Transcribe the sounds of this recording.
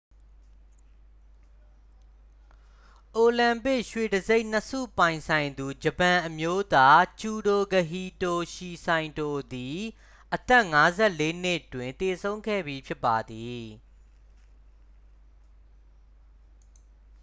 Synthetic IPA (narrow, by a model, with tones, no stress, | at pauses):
ʔo˨lã˨mpɪ˦ʔʃwe˨dəze˦ɪʔn̥əsṵ˦˨pã˨ɪ̃nsʰã˨ɪ̃nd̪u˨d͡ʑə˨pã˨ʔəmjo˦t̪a˦t͡ɕu˨do˨ɡə˨ɦi˨to˨ʃi˨sʰã˨ɪ̃ndo˨d̪i˨ | ʔət̪ɛ˦ʔŋa˦zɛ˦˨ʔle˦n̥ɪ˦ʔtwɪ̃˨nt̪e˨sʰõ˦ʊ̃ŋɡɛ̰˦˨bi˨pʰjɪ˦pːa˨d̪i˨